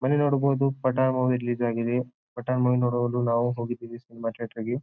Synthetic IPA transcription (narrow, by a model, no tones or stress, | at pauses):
mɐnenoːɽboːd̪upɐʈaːɳmoːʋiɾiliːd͡ʒaːɡid̪e | pɐʈaːɳmɐʋinoːɽɐʋɐlunaːʋuɦoːɡid̪iːʋisinimaːʈeːʈɐɾɡe